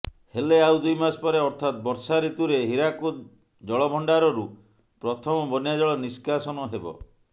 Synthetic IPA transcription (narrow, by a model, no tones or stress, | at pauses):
heleawd̪ujmaspɔɾeɔɾt̪ʰat̪̚bɔɾsaɾit̪uɾeɦiɾaku | d͡ʒɔɭɔbʱɔɳɖaɾɔɾu | pɾɔt̪ʰɔmɔbɔnjad͡ʒɔɭɔniskasɔnɔɦebɔ̰